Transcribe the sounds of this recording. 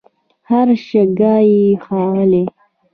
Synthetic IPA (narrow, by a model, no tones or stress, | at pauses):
haɾʃeɡɑjixɑwəle